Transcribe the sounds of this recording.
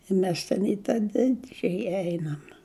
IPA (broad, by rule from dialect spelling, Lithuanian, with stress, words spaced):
ɪ ˈmʲɛs tʲɛn ɪ ˈtɑː tʲɛn ˈdʲɪd͡ʒʲɛjɛ ˈɛɪnɐm